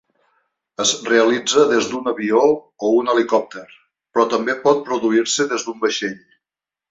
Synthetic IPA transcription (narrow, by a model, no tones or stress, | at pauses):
əzreəlid͡zəðezd̪unəβioː | unəlikɔp̚t̪əɾ | pɾɔt̪əmbepɔt̪̚pɾuðuiɾsəðezd̪umbəʃeʎ